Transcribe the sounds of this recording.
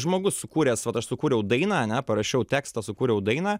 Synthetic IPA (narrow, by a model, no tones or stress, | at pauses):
ʒmoːɡʊssʊkuːɾʲeːsʋɐt̪ɐʃsʊkuːɾʲɛjɛʊd̪ɐɪnɑːɐnʲɛpɐɾɐʃʲɛʊt̪ʲæːkst̪ɑsʊkuːɾʲɛjɛʊd̪ɐɪnɑː